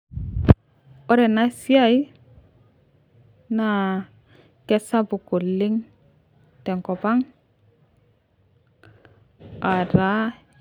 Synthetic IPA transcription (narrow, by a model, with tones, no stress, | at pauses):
o˦ɾe˨na˦si˦a˦˨j | na˨ | ke˦sa˦bu˨ku˨lːi˦ŋ | te˨ŋko˨pa˦ŋ | a˨ɾa˦